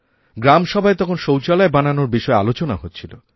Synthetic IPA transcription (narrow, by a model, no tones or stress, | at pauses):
ɡɾamʃɔbʱaet̪ɔkʰonʃowt͡ɕalaebananoɾbiʃɔealot͡ɕonaɦot̪ːt͡ɕʰilo̰